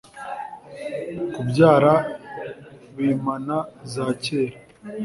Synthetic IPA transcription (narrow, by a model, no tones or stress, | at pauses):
kubɟaːɾa | βimanazaːceːɾa